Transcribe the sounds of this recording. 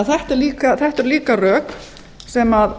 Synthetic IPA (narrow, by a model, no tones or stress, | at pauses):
ðθɛht̪ɛɾliːkaθɛht̪ɛɾliːkarœːk | sɛmað